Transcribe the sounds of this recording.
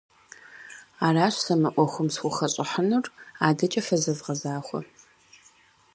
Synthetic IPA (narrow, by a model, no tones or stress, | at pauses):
aːraːɕsɐmɐʔʷɔxʷʊmsxʷʊxɐɕʼɪħənuraːdɐt͡ʃʼɐfɐzɐvʁɐzaːxʷɔ̰